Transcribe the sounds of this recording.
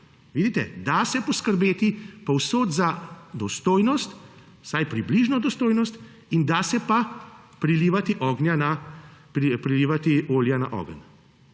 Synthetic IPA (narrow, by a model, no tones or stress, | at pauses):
ʋiːd̪it̪ɛd̪asɛpɔskəɾbeːt̪ipɔwsoːt̪zad̪ɔst̪oːjnɔst̪ | sajpɾibliʒnɔd̪ɔst̪oːjnɔst̪ | ind̪aːsɛpa | pɾiliːʋat̪iʔɔːɡnjanapɾipɾiliːʋat̪ioːljana̰ʔɔ̰ɡən